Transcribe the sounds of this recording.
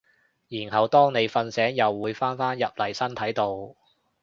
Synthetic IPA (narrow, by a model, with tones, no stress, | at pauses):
jiː˨˩nɦɐ˨˩wt̪ɔː˥ŋne˨˧jfɐ˧nsɛː˨˥ŋjɐ˨wːuː˨˧jfaː˥nfaː˥njɐ˨p̚lɐ˨˩jsɐ˥nt̪ʰɐ˨˥jt̪o˧w